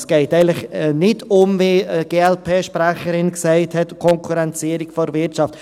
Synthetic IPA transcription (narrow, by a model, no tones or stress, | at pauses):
sɡ̥ɛɪtɛɪnlɪχnɪtʊmviɡ̥eːɛlpʰeːʃpɾæχəɾɪnksɛɪthɛtkʰɔŋkʰuɾɛnt͡siːəɾɪkfɔɾvɪɾt͡ʃɑft